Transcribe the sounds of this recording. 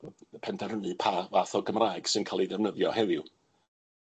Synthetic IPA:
pʰɛndɛɾənɨpʰavaθɔɡəmraːjɡ̥sɨnkʰalˠiðɛvnəðjɔ̰hɛðɪw

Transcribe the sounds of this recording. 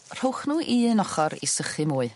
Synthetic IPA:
r̥owχnuːʔiənɔχɔɾḭsəχɨmuːɨ

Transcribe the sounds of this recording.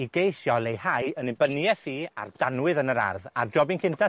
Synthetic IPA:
iɡejʃjɔlˠejhajənɪbənjɛθiːa̰rd̥anwɨðənəɾa̰rða̰rd͡ʒɔbɪnkʰɪntʰa

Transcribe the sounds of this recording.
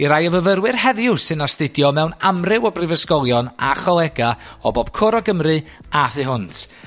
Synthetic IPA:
iɾajəvəvəɾwɨrhɛðjʊsɨnastɪdjɔmɛwnamrɪwɔbrɪvəskɔlˠjɔna̰χɔlˠɛɡaɔboːb̥kʰɔɾɔɡəmrɨ | aθɨɦʊntʰ

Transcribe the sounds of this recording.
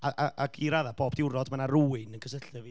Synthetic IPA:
aʔaʔaɡʰiɾaðaboːbdɪwɾɔdmanaruːɪnənkʰəsəɬɛvi

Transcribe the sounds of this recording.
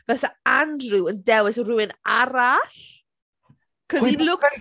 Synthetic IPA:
v̥ɛθaandrɨwəndɛwɪsrʊwɪnaɾaɬ | kʰəðilʊk

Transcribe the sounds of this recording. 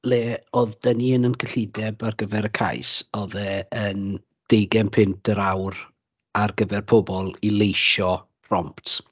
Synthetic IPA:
leːɔðd̥əniːənənkʰəɬɪdɛbarɡəvɛɾəkʰa̰jsɔðɛən | d̥ejɡɛmpʰɪntʰəɾawr | arɡəvɛrpʰɔbɔlˠilˠejʃɔ | rɔmpt

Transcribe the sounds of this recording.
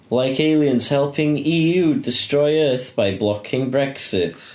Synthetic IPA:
laɪkʰeɪlˠiə̃nz̥hɛlˠpʰɪ̃ŋiːjuːdɪstɹ̥ɔɪɜˑ˞θb̥aɪblɔkʰɪ̃ŋbɹɛksɪt

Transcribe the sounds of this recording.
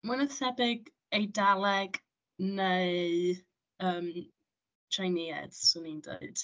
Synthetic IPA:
manəθɛbɪɡ | ejdalˠɛɡ | neɨ | əːm | t͡ʃʰrajniɛ̰d̥sunindḛɨd̥

